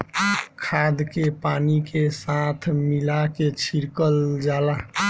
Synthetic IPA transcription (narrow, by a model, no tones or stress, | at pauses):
kʰad̪kepaːnikesat̪ʰmilaket͡ʃʰiɾkəld͡ʒaːla